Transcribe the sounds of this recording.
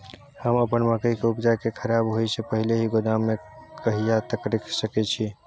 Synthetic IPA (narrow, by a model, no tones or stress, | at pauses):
həməpənməkəjkeupd͡ʒakekʰəɾabɦojsepəɦileɦiɡod̪amːekʰəɦijat̪əkɾiksəkɛt͡ʃʰi